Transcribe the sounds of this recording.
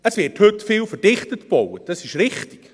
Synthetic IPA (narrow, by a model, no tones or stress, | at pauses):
əsvɪːrthɵtfiːlfərd̥ɪχtətb̥owəd̥ɑsɪʃɾɪχtɪ̥ɡ̥